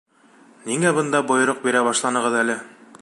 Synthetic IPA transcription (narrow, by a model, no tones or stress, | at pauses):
niŋæbɤ̆nd̪ɑbŏjɤ̆ɾoq̚biɾæbɑʃlˠɑnɤ̆ʁɤ̆ðælɘ